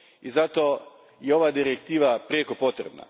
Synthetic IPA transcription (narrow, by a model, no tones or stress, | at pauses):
izat̪o̞ | jeo̞ʋad̪iɾekt̪iːʋapɾekopo̞t̪ɾḛbna̰